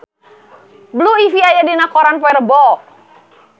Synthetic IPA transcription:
bluifiajadinakoɾanpɔɛrbɔ

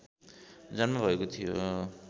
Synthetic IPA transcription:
d͡zʌnmabʱʌekot̪ʰijo

